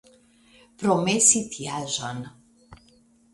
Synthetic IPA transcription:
pɾomesit̪ʰjaʒan

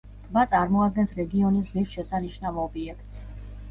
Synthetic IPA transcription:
t̪ʼbat̪sʼaɾmɔad̪̚ɡɛnsɾɛɡiɔnisʁisʃɛsaniʃnavɔbiɛkʰt̪ʼs

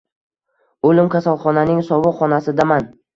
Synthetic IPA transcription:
olɪmkʰʲasalˠχɒnanɪŋsɒvʊqχɒnasɪd̪aman

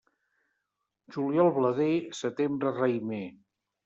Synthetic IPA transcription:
ʒuliɔlˠβləðesət̪embɾərajme

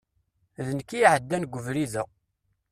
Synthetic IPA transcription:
ðənkːijʕəd̪ːænɡʷəvɾiðə

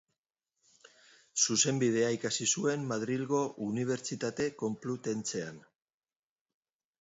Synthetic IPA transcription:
suse̞mbið̞e̞aikasisue̞mːaðɾilɣo̞ʔuniβ̞e̞ɾt͡ʃit̪at̪e̞ko̞mplut̪e̞nt͡se̞an

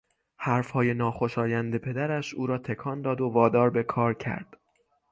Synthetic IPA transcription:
hæɾfhɒːje̞nɒːxo̞ʃɒːjænd̪e̞pʰe̞d̪æɾæʃuːɾɒːt̪ʰe̞kʰɒːnd̪ɒːd̪ovɒːd̪ɒːɾbe̞kʰɒːɾcʰæ̰ɾd̪̥

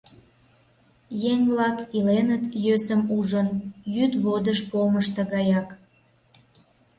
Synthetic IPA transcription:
jeŋβlɑkilenət̪jøsəmuʒənjyd̪βod̪əʃpoməʃt̪ə̆ɣɑjɑk

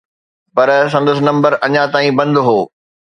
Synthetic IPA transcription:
pɐɾsɐ̃nd̪əs̬ɪnɐ̃mbəɾɐɲãt̪aːĩbɐ̃nd̪ɦoː

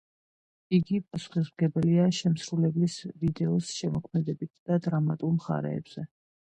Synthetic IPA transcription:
iɡipʼasu̥χismɡɛbɛliaʃɛmsɾulɛblisvid̪ɛɔsʃɛmɔkʰmɛd̪ɛbit̪ʰd̪̥ad̪ɾamat̪ʼulmχa̰ɾɛ̰ːbz̥ɛ

